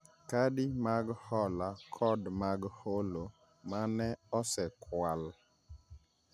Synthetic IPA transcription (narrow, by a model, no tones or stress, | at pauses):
kadɪmaɡhɔlakʰɔdmaɡholo | manɛɔsɛkʰwal